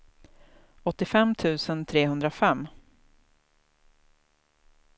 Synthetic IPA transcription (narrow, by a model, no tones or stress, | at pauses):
ɔt̪ːɪfɛmːt̪ʰʉ̟ːsənt̪ʰɾeːhɵnd̪ɾafɛmː